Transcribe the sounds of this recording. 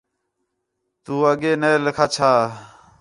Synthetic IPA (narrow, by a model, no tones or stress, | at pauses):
t̪uːəɠeːneːlkʰaːt͡ʃʰaː